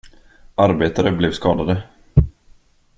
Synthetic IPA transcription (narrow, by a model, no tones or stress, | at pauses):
ʔaɾbeːt̪aɾəblɛvskɑːd̪ad̪ə